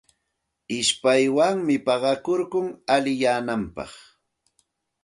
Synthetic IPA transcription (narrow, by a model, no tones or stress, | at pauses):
ɪʃpajwaŋmɪpɑɢɑkoɾkʊŋalɪjaːnampɑ̰χ